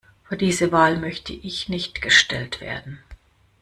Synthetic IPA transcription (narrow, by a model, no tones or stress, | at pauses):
fyːɐdiːzəvaːlmœçtʰəʔɪçnɪçtɡ̥əʃtɛltv̥ḛːɐdn̩